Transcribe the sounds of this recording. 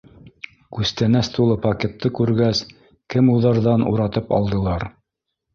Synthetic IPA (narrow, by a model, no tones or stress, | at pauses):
kʉst̪ænæst̪ulˠɤpɐkʲet̪ːɤkʉɾɡæs | kɘmuðɑɾðɑnṵɾɑt̪ɤpɑ̰lˠd̪ɤ̆lˠɑɾ